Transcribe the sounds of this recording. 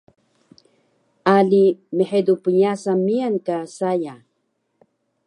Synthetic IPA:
alimeħed̪upuɲasamiaŋkasaja

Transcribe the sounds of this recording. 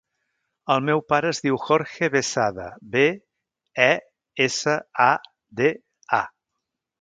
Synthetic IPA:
əlˠmɛwpaɾəːzðiwxɔɾʃeβesaðə̰be | ɛ | esəa | d̪e | a̰

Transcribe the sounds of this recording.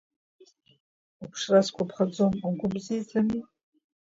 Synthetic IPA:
apʰʂraskʷʼapʰχad͡zomaɡʷʊbzijt͡sʼani

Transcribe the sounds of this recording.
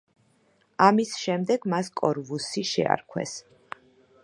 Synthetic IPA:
amisʃɛmd̪ɛɡmaskʼɔɾvusiʃɛ̰a̰ɾkʰwɛ̰s

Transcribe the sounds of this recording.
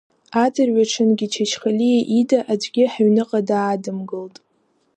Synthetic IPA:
ad͡zɨrɥʷaʈ͡ʂʰɨnɡʲit͡ʃʰat͡ʃχalijʔidaʔad͡ʒʷɡʲɪħaɥnɨqʼadaːdɨmɡɨltʼ

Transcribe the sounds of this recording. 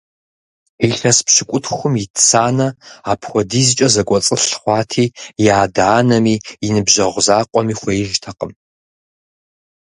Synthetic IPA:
iɬɐspɕɪkʷʼʊtʰxʷʊmjitʰt͡sʰaːnɐaːpʰxʷɔdiːzɨt͡ʃʼɐzɐkʷʼɔt͡sʼɨɬχʷɑːtʰiːjaːdaːnɐmiːinɨbʑɐʁʷzaːqʷʼɔmiːxʷɔjɪʒtʰɐqʼəm

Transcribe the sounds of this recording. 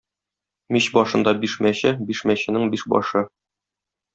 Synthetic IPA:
miɕbɒʃɤ̆nd̪ɑbiʃmæɕɘbiʃmæɕɘ̆nɘŋbiʃbɒ̰ʃɤ

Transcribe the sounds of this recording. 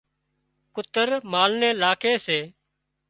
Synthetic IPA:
kʊt̪əɾmaːlneːlaːkʰeːseː

